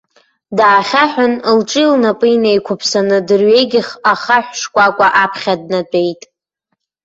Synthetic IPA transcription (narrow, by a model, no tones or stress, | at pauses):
daːχʲaħʷᶣʊnlʈ͡ʂʼɨilnapʼɨjnejkʷʰʊpʰsanɨdɨrɥe̞jɡʲɪχaχaħʷʂkʷʼakʷʼaʔapʰχʲad̚natʷʼe̞jtʼ